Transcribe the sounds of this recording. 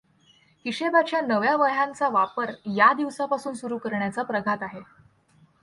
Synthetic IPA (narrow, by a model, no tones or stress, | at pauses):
kiɕebat͡ɕjanəʋjaʋəɦjant͡saʋapəɾjad̪iʋsapasuːnsuɾuːkəɾɳjat͡sapɾəɡʱat̪aɦe